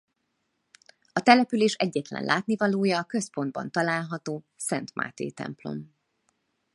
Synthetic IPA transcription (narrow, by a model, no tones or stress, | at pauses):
ɒt̪ɛlɛpyleːʃɛɟːɛt̪lɛ̰nlʔaːt̪nivɒloːjɒːkø̞spo̞nd̪̚bɒ̰nt̪ɒlaːlɦɒt̪oː | sɛnt̪mʔa̰ːt̪ḛːt̪ɛ̰mplo̞̰m